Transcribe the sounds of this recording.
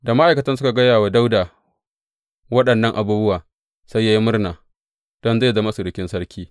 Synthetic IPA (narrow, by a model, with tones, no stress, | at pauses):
da˨ma˦ʔa˨jkɐ˨˦tɐ˦nsʊ˦ka˨ɡɐ˦jaː˨wa˨da˦wda˨ | wɐ˦ɗɐ˨nːɐ˦ŋʔa˨buː˦bʊ˦waː˨ | sa˦jːa˦ji˦mʊ˦rnaː˨ | d̥ɔ˦nza˦˨zɐ˦ma˦su˨ɽɪ˨kʲɪ˦nsɐ˦ɽkʲʰiː˦